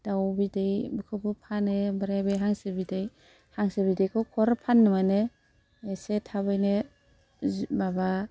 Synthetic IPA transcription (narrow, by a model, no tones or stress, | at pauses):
d̥awbidejbɯkʰɯbɯpʰanebaɾajbejɦaŋsebidej | haŋsebidejkʰɔkʰɔɾapʰanːɯmane | esetʰabɯjne | maba